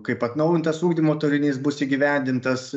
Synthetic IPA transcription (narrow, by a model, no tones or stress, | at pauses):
kɐɪpɐt̪nɐʊjɪnt̪ɐsuːɡd̪ʲiːmoːt̪oɾʲɪnʲiːsbʊsiːɡʲiʋʲæˑnʲd̪ʲɪnt̪ɐs